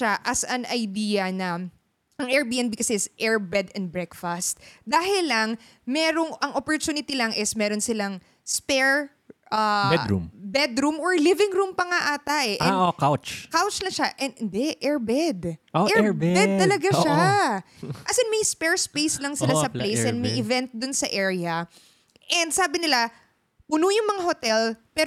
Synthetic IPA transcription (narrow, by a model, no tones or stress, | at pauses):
aʔɐsɐŋɐjd̪iːjɐnɐ | ʔɐŋʔɛɹbiːʔɛnbikɐsɛɪsʔɛɹbɛd̪ɛnd̪̚bɹɛkfɐst̪̚d̪aːhɪlɐŋ | mɛːɾo̞ŋʔɐŋʔopoɹt̪unɪt̪ilɐŋʔɪsmɛːɾo̞nsɪlaŋ | spɛɹ | ʔɐbɛd̪ɾṵmbɛd̪ɾumoɹlivɪŋɾumpɐŋaʔaːt̪ɐʔɛʔɛ̃nʔokawt͡ʃkawt͡ʃlɐŋʃaʔɛnɪnd̪ɛʔɛɹbɛd̪oʔɛbbɛt̪ɐlɐɡaʃa | ʔɐsɪnmɐjspɛɹspejslɐŋsɪlasɐplejsʔɛ̃nd̪mɐjʔɪvɛnt̪̚d̪ʊnsɐʔɛɹɪɐ | ʔɛnd̪saːbɪnɪla | pʊnʊjʊŋmɐŋahot̪ɛlpɛːɾ